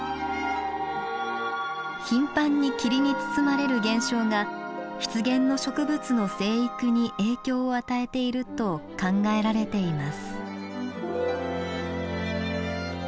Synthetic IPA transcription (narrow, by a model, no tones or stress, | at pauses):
çĩmpãɲ̟ːikʲiɾʲiɲ̟it͡sɨ̥t͡sɨmaɾe̞ɾɯ̟ɡẽ̞ɰ̃ɕo̞ːɡa | çi̥t͡sɨɡẽ̞nːo̞ɕo̞kɯ̟bɯ̟t͡sɨno̞se̞ːikɯ̟ɲ̟iʔe̞ːkʲo̞ːat̪ae̞t̪e̞iɾɯ̟t̪o̞kãŋɡae̞ɾaɾe̞t̪e̞imasɨ̥